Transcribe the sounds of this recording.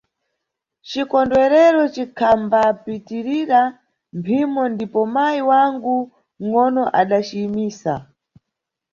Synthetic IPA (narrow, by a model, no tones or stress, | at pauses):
t͡ʃikɔndwɛɾɛɾɔt͡ʃikʰambapitiɾiɾa | mpʰimɔndipɔmajiwaŋɡu | ŋɔnɔʔaɗat͡ʃiːmiːsa̰